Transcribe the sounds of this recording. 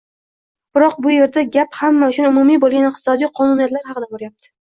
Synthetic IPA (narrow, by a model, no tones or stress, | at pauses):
b̥ɪɾɒq̚bʊje̞ɾd̪aɡʲaphamːaʊt͡ʃʊnʊmʊmijbolˠɡʲanɪq̚t̪ɪ̥sɒd̪ijqʰɒnunijat̪laɾhɑqɨd̪aboɾjap̚t̪ʰɪ̥